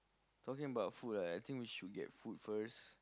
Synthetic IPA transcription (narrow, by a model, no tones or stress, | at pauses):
tʰɔkĩŋəbaʊtfutaajt̪ʰĩŋkwiʃud̚ɡɛ̰t̚futfəs